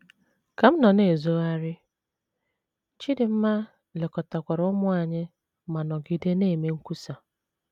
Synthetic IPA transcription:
ka˨m̩˦nɔ˨ne˨zo˦a˦ɾɪ˦ | t͡ʃi˦dɪ˨m̩˦ma˦ | le˨kɔ˨ta˨kʷa˨ɾɔ˦mʊ˦a˨ɲɪ˦ | ma˨nɔ˨ɡɪ˨de˦neː˦˨me˦ŋ̩˦ku˦sa˨

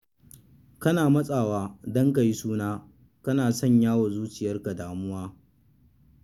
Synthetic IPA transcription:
kɐ˦naː˨mɐ˦sʼaː˨waː˦dɔ˦ŋka˨ji˦suː˦naː˦ | kɐ˦naː˨sɔ˦˨ɲjaː˦wa˨zuː˦t͡ʃɪ˨jɐ˦rka˨daː˨mʊ˦waː˦

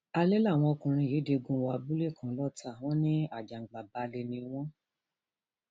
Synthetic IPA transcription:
a˧le˦la˦˨w̃ɔ̃˧o˧kũ˧ɾ̃ĩ˧˨jeː˨˦de˧ɡũ˧wa˧bu˦le˦˨kʰã˨˦lɔ˦ta˦˨w̃ɔ̃˦nĩ˦a˨d͡ʒa˨ŋ͡m̩˨ɡ͡ba˨ba˧le˧nĩ˧w̃ɔ̃˦

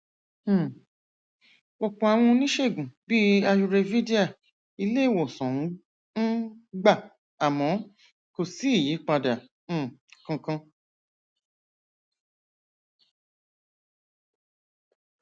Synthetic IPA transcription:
wɔ˧˨k͡pɔ̃˨a˨w̃ɔ̃˧˦nĩ˦ʃe˦˨ɡũ˨bi˦a˧ju˧ɾe˧vi˦di˦a˦˨ | i˧le˦˨wo˨sɔ̃˨˦ | n̩˦ɡ͡ba˦˨ | a˨mɔ̃˨˦ | ko˨si˨˦i˦˨ji˨˦k͡pa˧dã˨˦˨ | kã˧kã˧

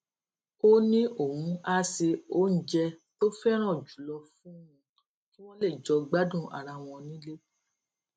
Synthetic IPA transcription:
o˦nĩ˦ʔo˦˨wũ˨˦a˧˦se˧o˦n̩˦d͡ʒɛ˧to˦fɛ˦ɾ̃ã˦˨d͡ʒu˨˦lɔ˧fũ˦ũ˧ | ki˦w̃ɔ̃˦le˦˨d͡ʒɔ˧ɡ͡ba˦dũ˦˨a̰˨ɾa˧w̃ɔ̃˧nĩ˦le˦

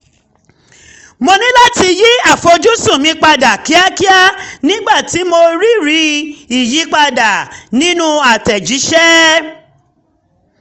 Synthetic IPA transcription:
mo˧nĩ˦la˦ti˧ji˦a˦˨fɔ˧d͡ʒu˦su˦˨mĩ˧˦k͡pa˧da˨ki˨˦a˦ki˦a˦nĩ˦ɡ͡ba˦˨ti˨˦mo˧ɾi˦ɾi˨˧˦i˨ji˨˦k͡pa˧da˨nĩ˦nũ˦a˨tɛ˨d͡ʒi˨˦ʃɛ˦

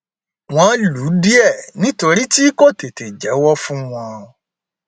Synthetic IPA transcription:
w̃ɔ̃˧˦lu˨˦di˦ɛ˦˨nĩ˦to˧ɾi˦ti˦ko˦˨te˨te˨d͡ʒɛ˨˦wɔ˦fũ˦w̃ɔ̃˧

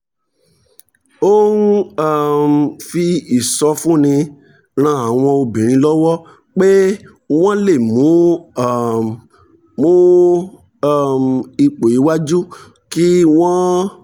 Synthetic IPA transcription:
o˦n˦a˦˨m˨fi˧i˨sɔ˧˦fũ˦˨nĩ˧ | ɾ̃ã˧˦a˨w̃ɔ̃˧o˧bĩ˨ɾ̃ĩ˧˦lɔ˦wɔ˦ | k͡pe˦ | w̃ɔ̃˦le˦˨mũ˨˦˨ | ũ˦˨ | mi˧k͡po˨i˨˦wa˦d͡ʒu˦ | ki˦w̃ɔ̃˦

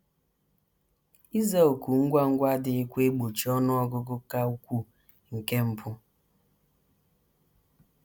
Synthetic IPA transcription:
i˦za˦o˨ku˨ŋ̩˦ɡʷa˦ŋ̩˦ɡʷa˦dɪ˨i˦kʷe˦ɡ͡bo˨t͡ʃi˨ɔ˦nɔ˦ɔ˦ɡʊ˦ɡʊ˦ka˦u˦kʷu˦ | ŋ̩˨ke˦m̩˦pʰʊ˦

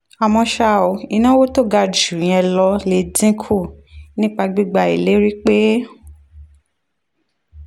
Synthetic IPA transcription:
a˨mɔ̃˧ʃa˧o˨i˧˨nã˦wo˦to˦ɡa˧d͡ʒũ˨ɛ̃˧lɔ˧le˧˦dĩ˦kʰu˦˨nĩ˦k͡pa˧ɡ͡bi˦ɡ͡ba˧ḭ˨le˨˦ɾi˦k͡pe˦

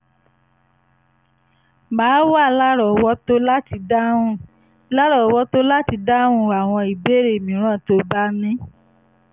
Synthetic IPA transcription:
maː˨˦wa˦˨la˦ɾɔ˨wɔ˦to˦la˦ti˧dã˦ũ˦˨ | la˦ɾɔ˦˨˦wɔ˦to˦la˦ti˧da˦ɾ̃ũ˦˨a˨w̃ɔ̃˧i˨be˦˨ɾe˦˨mĩ˨˦ɾ̃ã˦˨to˧ba˦nĩ˦

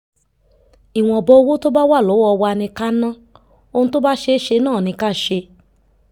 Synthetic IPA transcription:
i˨w̃ɔ̃˨ɔ˨bɔ˧˦o˧wo˦to˦ba˦wa˦˨lo˨˦ɔ˧wa˧nĩ˧ka˦nã˦ | o˧nũ˧to˦ba˦ʃe˧˦ʃe˧nãː˦˨nĩ˧ka˦˨ʃe˧

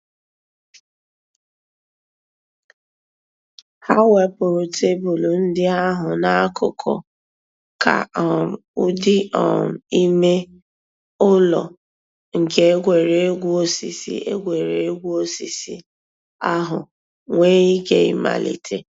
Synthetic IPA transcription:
ha˦we˦pʊ˨ɾʊ˨te˦bʊ˨lu˨n̩˦dɪ˦a˦ɦʊ˨na˦kʰʊ˨kʰɔ̰˨ | ka̰˨ɔ˨u˦dɪ˦ɔ˨n̩˨i˦me˦ | ʊ˦lɔ̰˨ | ŋ̩˨ke˦e˦ɡʷe˨ɾe˨e˦ɡʷu˦o˦sḭ˨sḭ˦e˦ɡʷe˨ɾe˨e˦ɡʷu˦o˦si˨si˦ | a˦ɦʊ˨ | ŋʷe˦i˦ke˦ḭ˦ma̰˨lḭ˨tʰḛ˨

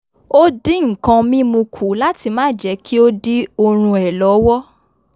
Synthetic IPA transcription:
o˦di˦ŋ̩˨kã˧mĩ˦mũ˧kʰu˨la˦ti˧mã˦˨d͡ʒɛ˨˦kʰi˦o˦di˦o˧ɾ̃ũ˧ɛ˨lɔ˨˦wɔ˦

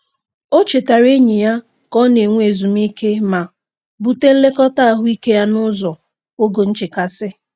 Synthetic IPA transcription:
o˦t͡ʃe˨ta˨ɾe˦ɲi˨ja˦ | kɔ˦ne˨ŋʷ˦e˨zu˨m̩˦i˦ke˦ma˨ | bu˨te˦n̩˦le˦kɔ˦ta˦˨ɦʊ˦i˦ke˦ja˦nʊ˦zɔ˨ | o˦ɡo˨n̩˦t͡ʃɪ˨ka˨sɪ˦

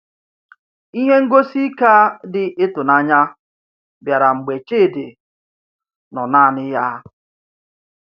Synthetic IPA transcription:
i˦ɦe˦ŋ̩˦ɡo˦si˦ka˦dɪ˨ʔɪ˦tʊ˨na˦ɲa˦ | bja˨ɾa˨ŋ͡m̩˨ɡ͡be˨t͡ʃeː˦˨de˨ | nɔ˨naː˦˨nɪ˦ja˦

